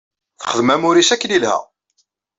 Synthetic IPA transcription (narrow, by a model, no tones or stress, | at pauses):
θəχəðmæmʊɾisækːnilhæ̰